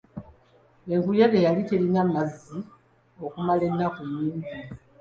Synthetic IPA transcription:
eŋkujeɣejalitelinamazi | okumale̞nːakujiːnti

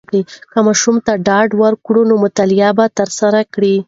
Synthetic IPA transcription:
kɽikəmɑʃumt̪aɖɑɖwaɾkɽunomʊt̪alɪjɑbat̪əɾsaɾakɽi

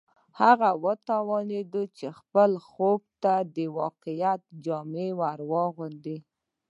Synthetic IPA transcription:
haɣawət̪awɑned̪ut͡ʃexpəlxob̚t̪ad̪əwɑqɪjat̪̚d͡ʒɑmewaɾwɑɣund̪i

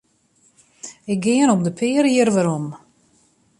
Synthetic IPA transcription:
ɪk̚ɡɪənɔmdəpʰɪəɾiərʋaɾom

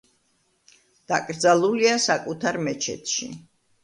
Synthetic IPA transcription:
d̪̥akʼɾd̪zalˠuliasakʼut̪ʰaɾmɛt͡ʃʰɛ̰t̪ʰʃḭ

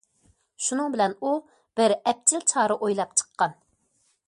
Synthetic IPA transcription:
ʃunɨŋbɪlɛnu | b̥ɪɾɛp̚t͡ʃʰilt͡ʃʰɑːɾɨʔojlˠɑp̚t͡ʃʰə̥qʰːɑn

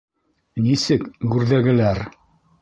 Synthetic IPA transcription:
nisɘkɡʉɾðæɡɘ̆læɾ

